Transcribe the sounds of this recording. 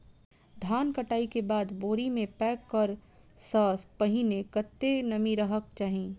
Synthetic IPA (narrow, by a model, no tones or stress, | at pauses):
d̪ʱaːnkəʈaːikebaːd̪boːɾimẽpɛːkːəɾ | saːspɐɦinekɐt̪ːenɐmiɾɐɦəkt͡ʃaːɦĩː